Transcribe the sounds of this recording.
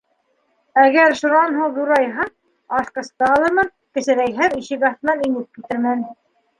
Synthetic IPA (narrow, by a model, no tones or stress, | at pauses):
æɡæɾʃŭɾɑnɦuwd̪uɾɑjɦɑ | ɑʃqɤ̆st̪ɑɑlˠɤ̆ɾmɤn | kɘ̆sɘ̆ɾæjɦæɾiʃɘ̆ɡɑθ̆nɑninɘp̚kit̪ɘ̆ɾmæn